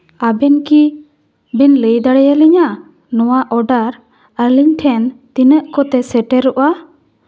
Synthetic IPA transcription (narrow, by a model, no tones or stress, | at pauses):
abɛnki | bɛnləjd̪aɽɛjaliɲa | nɔwaʔɔɖaɾ | əɾliɲʈʰɛnt̪inəʔkɔt̪ɛsɛʈɛɾɔʔa